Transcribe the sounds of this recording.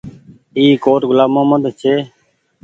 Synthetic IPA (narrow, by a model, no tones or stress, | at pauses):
iːkoːʈɡʊlaːmõːməd̪t͡ʃʰeː